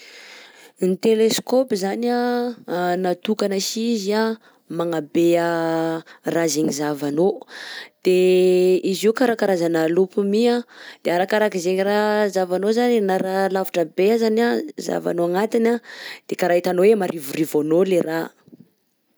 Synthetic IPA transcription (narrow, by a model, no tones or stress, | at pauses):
nit̪eleskopizana | nat̪ukanəʃizia | maŋabeə | razeɲizavanod̪̥e | iziukaɾakaɾazanalupumiad̪̥eaɾakaɾakizeɲirazavanozaninaɾalavuʈ͡ʂəbeazanaza̰va̰noaŋat̪inad̪̥ekaɾaɦit̪anowemaɾʔivurivonolera